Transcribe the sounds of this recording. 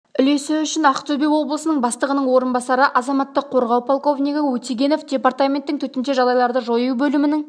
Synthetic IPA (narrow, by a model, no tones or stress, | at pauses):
ʏle̞sɪʏʃɪnɑqt̪ʰobewo̞blˠəsənəɴbɑst̪əʁənəɴwo̞ɾənbɑsɑɾəʔɑzɑmɑt̪ːəqʰːo̞ɾʁɑwpʰolˠko̞vnʲiɡəwɵt̪iɡʲe̞no̞fdʲe̞part̪amʲe̞nt̪ːɪŋt̪ʰɵt̪ɪnʃe̞ʒɑlˠɑjlˠɑɾd̪əʒo̞jubɵlɪmɪnɪŋ